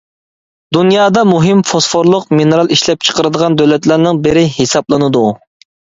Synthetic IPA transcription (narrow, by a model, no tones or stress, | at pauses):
d̪unjɑːd̪ɑmuɦɪmfosfoɾlˠʊqminɨɾɑlˠiʃlɛp̚t͡ʃʰə̥qəɾɨd̪əʁɑnd̪øwlɛt̪læɾnɪŋbɪɾɪhesɑplˠɨnɨd̪u